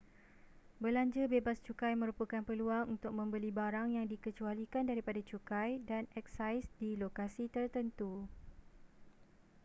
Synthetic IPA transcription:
bəlaɲd͡ʒəbebast͡ʃukajmə̃ɾupəkanpəluaŋunt̪ʊk̚mə̃mbəlibaɾaŋjaŋdikət͡ʃualikandaɾipadat͡ʃukajdanɛksajsdilokasit̪ərt̪ənt̪u

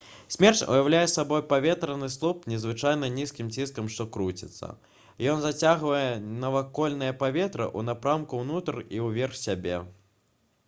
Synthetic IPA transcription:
sʲmʲɛrt͡sʲṵjawlʲajɛsabɔjpavʲɛt̪ɾɐnɨslˠɔpnʲɛzvɨt͡ʂajn̪ɐnʲiskʲimt͡sʲiskɐmʂt̪ɔkɾut͡sʲit̪sːɐ̰ | jɔnzat͡sʲaɣvɐjɛnɐvakɔlʲnɨjɐpavʲɛt̪ɾɨ̰ʔunapɾamkuwnut̪ɐriwvʲɛrxsʲabʲɛ

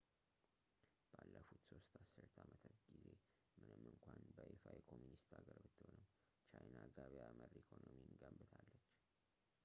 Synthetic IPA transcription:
b̥alːəfut̪so̞st̪asɨɾt̪ʰamət̪ʰət̪ɡize̞ | mɨnɨmɨŋkʷanbəʔefajɛkʰo̞mjunist̪aɡəɾbɨt̪ːɨhonɨm | t͡ʃajnaɡaβjaməɾikʰo̞nominɡəmbɨt̪ʰalːət͡ʃː

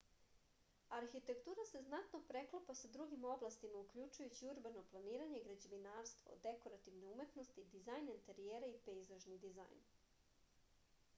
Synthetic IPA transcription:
aɾxit̪e̞kt̪uːɾase̞znat̪no̞pɾe̞klˠopasad̪ɾuɡimo̞blast̪imaukʎut͡ʃujut͡ɕiuɾbano̞plˠaniːɾaɲe̞ɡɾad͡ʑeʋinaːɾst̪ʋo̰d̪e̞ko̞ɾat̪iʋne̞ume̞t̪no̞st̪id̪izajnent̪eɾijeːɾaipeizaʒnid̪iza̰jn

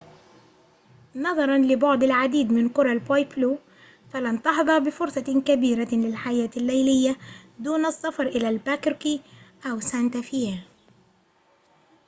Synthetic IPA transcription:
nɑðˤɑɾˤɑnlɪbɑʕd̪ˤalʕad̪iːd̪mɪnkʊɾˤɑlbajpluː | falant̪ɑħðˤɑɾˤbɪfʊɾsˤɑkabiːɾalɪlħajaːt̪alːajlɪjːad̪uːnɑsːɑfɑɾˤʔɪlalbakɾkiːʔawsant̪afiel

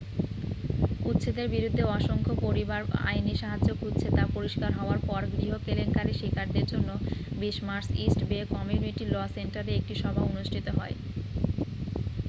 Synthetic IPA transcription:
ut̪ːɕʰed̪eɾbiɾud̪ʱːeɔʃoŋkʰopoɾibaɾa̰jniʃaɦad͡ʑd͡ʑokʰut̪ːt͡ɕɕʰet̪apoɾiʃkaɾɦɔoaɾpɔɾɡɾiɦokelenkaɾiʃikʰaɾd̪eɾd͡ʑonːobiʃmaɾsisʈbekɔmjuniʈilɔsenʈaɾeek̚ʈiʃɔbʱaonuʃʈʰit̪oɦɔe

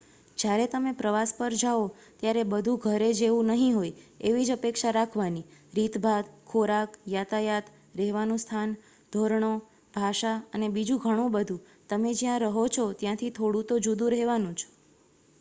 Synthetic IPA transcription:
d͡ʒjaɾet̪əmepɾəʋaspəɾd͡ʒao | t̪jaɾebəd̪ʱũɡʱəɾed͡ʒeʋũnəɦĩɦojeʋid͡ʒəpekʃaɾakʰʋaniɾit̪bʱad̪kʰoɾakjat̪ʰajat̪ | ɾɛɦʋanũst̪ʰan | d̪ʱoɾɳo | bʱaʃaənebid͡ʒũɡʱəɽ̃ũbəd̪ʱũ | t̪əmed͡ʒjãɾəɦot͡ʃʰot̪jãt̪ʰit̪ʰoɽũt̪od͡ʒud̪ũɾɛɦʋanũt͡ʃʰɔ̥

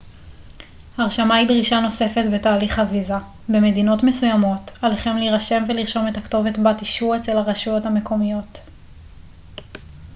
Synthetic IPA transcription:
haʁʃamaidʁiʃano̞sefe̞tbe̞taːliχhaviza | be̞me̞dino̞tme̞sujamo̞taleχe̞mliʁaʃe̞mveliʁʃo̞me̞thakto̞vetbatiʃuet͡se̞lhaʁaʃujo̞thame̞ko̞mijo̞t

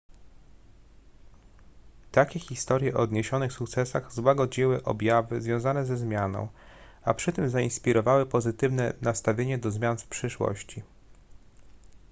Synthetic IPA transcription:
t̪akʲɛxʲist̪ɔɾjɛʔɔɔd̪ɲeɕɔnɘxsukt̪sɛsaɣzwaɡɔd͡ʑiwɘʔɔ̰bʲjavɘ̰zvʲjɔ̃w̃zanɛzɛzmʲjanɔ̰̃w̃ | apʂɘt̪ɘmzainspʲiɾɔvawɘpɔzɘt̪ɘvnɛnast̪avʲjeɲɛd̪ɔzmʲjanfpʂɘʂwɔ̰ɕt͡ɕi

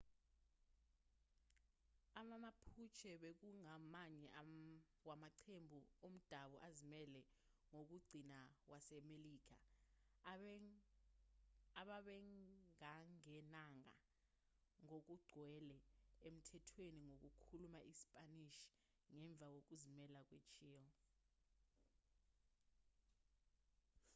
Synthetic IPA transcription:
amamapʰut͡ʃʰɛɓek̬uŋamaɲɛʔa | wamaǀʰembʱuom̩d̥ʱaɓɔʔazimɛlɛ | ŋok̬uɡ͡ǀʱinawasɛmeliːk̬ʰa̰ | aɓaɓɛaŋɛnaŋa̰ | ŋok̬uɡ͡ǀʱwɛlɛem̩tʰɛtʰweniŋok̬ukʰulumaʔisi̥pʼaniʃi̥ | ŋɛɱb̪vʱak̬ok̬uzimɛlak̬ʼwet͡ʃʰiːɔ

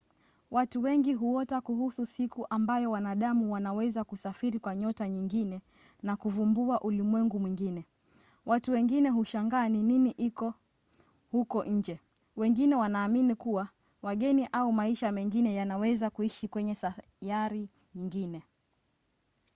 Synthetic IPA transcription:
watuwɛŋɡiɦuɔtakuhususikuʔambajɔwanaɗamuwanawɛzakusafiɾikwaɲɔtaɲiŋɡinɛ | nakuvumbuaʔulimwɛŋɡumwiŋɡinɛ | watuwɛŋɡinɛɦuʃaŋɡaːnininiʔikɔ | hukɔʔɲ̩d͡ʒɛwɛŋɡinɛwanaːminikuwa | waɠɛniʔaumaiʃamɛŋɡinɛjanawɛzakuiʃikwɛɲɛsa | jaɾi | ɲiŋɡinɛ

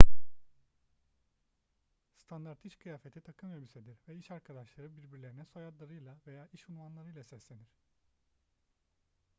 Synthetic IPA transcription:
st̪ʰand̪aɾt̪iʃkʰɯjaːfe̞t̪ʰit̪ʰakʰɯmebised̪iɾvɛiʃaɾkʰad̪aʃlˠaɾɯbiɾbiɾlʲe̞ɾinɛsojad̪lˠaɾɯjlˠave̞jaːʔiʃulmanlˠaɾɯjlˠasɛslʲe̞niɾ̥

